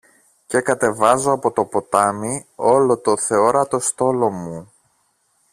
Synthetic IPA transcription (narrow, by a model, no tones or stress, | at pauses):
ce̞kɐt̪e̞vɐzo̞ɐpo̞t̪o̞po̞t̪ɐmio̞lo̞t̪o̞θe̞oɾɐt̪o̞st̪o̞lo̞mu